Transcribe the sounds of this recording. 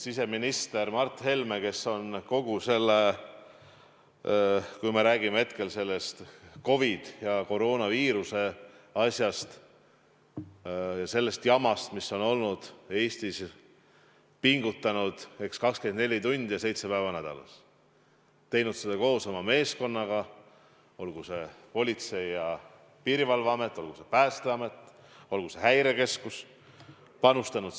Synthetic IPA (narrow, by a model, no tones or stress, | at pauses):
sise̞minist̪e̞ɾmɑrt̪ːˑhe̞lmeke̞so̞nko̞ɡ̥use̞lːe | kujmeɾæːɡ̥imehet̪ke̞lse̞lːe̞st̪ko̞vid̪̥jɑko̞ɾo̞ːnɑviːɾuse̞ɑsʲjɑst̪ | jɑse̞lːe̞st̪jɑmɑst̪misːo̞no̞lnud̪̥e̞ːst̪is | piŋɡut̪ːˑɑnud̪̥e̞kskɑkske̞nd̪ne̞lʲit̪unʲd̪̥jɑse̞jt̪se̞pæevɑnæd̪̥ɑ̰lɑ̰s | t̪ːe̞jnud̪̥sed̪̥ɑko̞ːsɑmɑme̞ːsko̞nːɑɡ̥ɑ | o̞lɡ̥use̞po̞lʲit̪se̞jɑ | piːɾivɑlvɑɑme̞t̪ːˑo̞lɡ̥use̞pæːst̪eɑme̞t̪ːˑ | o̞lɡ̥use̞hæjɾe̞ke̞skus | pɑnust̪ɑnud̪